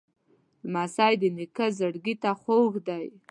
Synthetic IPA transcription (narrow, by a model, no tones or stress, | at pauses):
lmasɑjd̪ənɪkəzəɽɡit̪axoɣd̪aj